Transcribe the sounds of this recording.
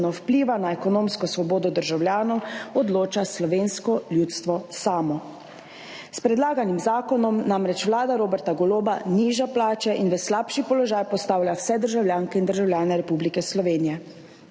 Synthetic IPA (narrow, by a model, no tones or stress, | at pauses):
nɔwpliːʋanaɛkɔnoːmskɔsʋɔboːd̪ɔd̪əɾʒawlʲjaːnɔwɔd̪loːt͡ʃaslɔʋeːnskɔlʲjuːt̪st̪ʋɔsaːmɔ | spɾɛd̪laːɡanimzaːkɔnɔmnamɾɛt͡ʃʋlaːd̪aɾoːbɛɾt̪aɡɔloːbaniːʒaplaːt͡ʃaʔinʋəslaːpʃipɔlɔʒaːjpɔst̪aːwlʲjawsɛd̪əɾʒawljaːŋkɛind̪əɾʒawlʲjaːnɛɾɛpublikɛslɔʋeːnijɛ